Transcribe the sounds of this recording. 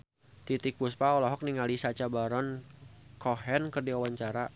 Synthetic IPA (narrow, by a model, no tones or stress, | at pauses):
t̪it̪ik̚puspaɔlɔɦɔk̚niŋalisat͡ʃabaɾɔnkʰɔɦɛnkərdiawaɲt͡ʃaɾa